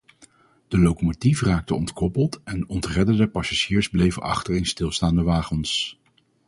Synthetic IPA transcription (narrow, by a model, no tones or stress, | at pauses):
d̥əlowkomotifraːk̚təɔntkɔpəlˠtɛnɔntrɛdədəpɑsaʒiːɹzblejvə̰ʔɑ̰χtəɹenstɪlˠstaːndəʋaːχəns